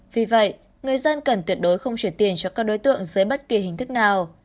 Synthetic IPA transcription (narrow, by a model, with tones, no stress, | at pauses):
vi˨˩və̰˧˨jʔ | ŋɨ˨˩əjzə˧nkə˨˩nt̪wi˦˥ət̚ɗo˨˦jxə˧wŋ͡mt͡ɕwi˧˩ənt̪i˨˩ənt͡ɕɔ˧kaː˦˥k̚ɗo˨˦jt̪ɨ̰˧˨əŋzəː˨˦jɓə˦˥t̚ki˨˩hï˨˩ŋ̟t̪ʰɨ˦˥k̚naː˨˩w